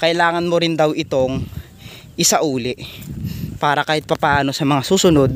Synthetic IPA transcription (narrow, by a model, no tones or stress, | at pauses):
kɐʔɪlaːŋɐnmoɾɪnd̪awɪt̪o̞ŋ | ʔɪsaʔuːlɪʔ | paːɾɐkaːhɪt̪̚pɐpaaːno̞sɐmɐŋasuːsʊno̞d̪̚